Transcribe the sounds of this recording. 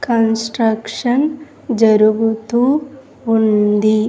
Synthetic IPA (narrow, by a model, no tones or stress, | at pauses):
kɐnsʈɾɐkʂɐn | d͡ʒɐɾuɡut̪u | ɦund̪i